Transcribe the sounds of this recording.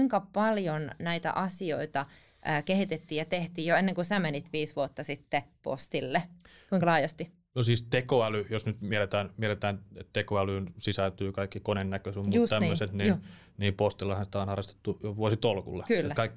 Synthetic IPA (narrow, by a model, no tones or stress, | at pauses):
iŋkɑpɑljonnæit̪æ̰ʔɑsio̰it̪ɑ | əːkehit̪et̪ːiːjɑt̪eht̪iːjoenːeŋkusæmenit̪ʋiːsʋuot̪ːɑsit̪ːepo̰st̪ilːekuiŋkɑlɑːjɑst̪i | nosiːst̪ekoælyjosnyt̪mielet̪æːnmielet̪æːnett̪ekoælyːnsisælt̪yːkɑikːikonenːækøsummujustænmːøset̪ni | niːpost̪ilːɑhɑnsi̥t̪æonhɑrːˑɑst̪e̥t̪ːujoʋuosit̪olkṵlːekylːækɑikːi